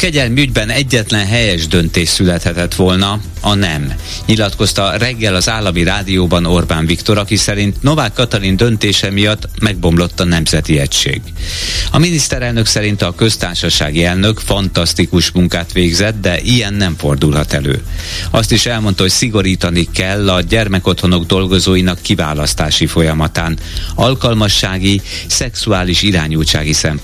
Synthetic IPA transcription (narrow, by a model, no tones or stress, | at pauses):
kɛɟɛlmiyɟbɛnɛɟːɛt̪lɛnɦɛjɛʒd̪ø̞nt̪eːʃsylɛt̪hɛt̪ɛt̪ʋo̞lnɒ | ɒnɛm | ɲilɒt̪ko̞st̪ɒrɛɡːɛlɒzaːlːɒmiɾaːd̪ijoːbɒno̞rbaːnvikt̪o̞ɾɒkisɛɾint̪no̞vaːkːɒt̪ɒɾind̪ø̞nt̪eːʃɛmijɒt̪ːmɛɡ̚bo̞mlo̞t̪ːɒnɛmzɛt̪iɛcʃḛːɡɒminist̪ɛɾɛlnø̞ksɛɾint̪ɒkø̞st̪aːrʃɒʃa̰ːɡiɛlnø̞kfɒnt̪ɒst̪ikuʃmuŋkaːt̪ʋeːɡzɛt̪d̪ɛʔijɛnːɛɱfo̞rd̪ulɦɒt̪ɛlø̰ːɒst̪iʃɛlmo̞nt̪ɒɦo̞csiɡo̞ɾiːt̪ɒnikɛlːɒɟɛrmɛko̞t̪ho̞no̞ɡd̪o̞lɡo̞zoːjinɒkːiva̰ːlɒst̪aːʃifo̞jɒmɒt̪aːn | ɒlkɒlmɒʃːaːɡi | sɛksuaːliʃiɾaːɲuːt͡ʃa̰ːɡisɛmp